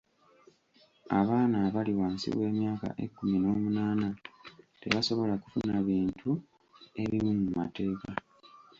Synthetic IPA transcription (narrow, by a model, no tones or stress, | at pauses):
a̰βaːnaβaliwaːnsḭβwe̞ːmjaːka̰ʔe̞̰kːumino̞ːmunaːnate̞̰βaso̞βo̞lakufunaβiːntʰu | e̞βimumumate̞ːka